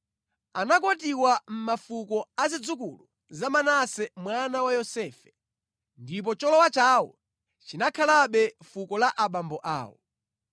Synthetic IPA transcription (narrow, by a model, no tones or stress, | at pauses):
anak̬ɔtiwam̩mafukɔazid͡zukulu | zamanasɛmwanawajɔsɛːfɛ | ndip̬ɔt͡ʃɔlɔwat͡ʃawɔ̰ | t͡ʃinakʰalaɓɛfukɔlaʔaɓambɔʔa̰ːwɔ̰